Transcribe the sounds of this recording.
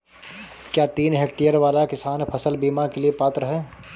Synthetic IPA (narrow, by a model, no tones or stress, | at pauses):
kjaːt̪iːnɦeːk̚ʈijəɾʋaːlakɪsaːnpʰəsəlbiːmakeliepaːt̪ɾəɦẽː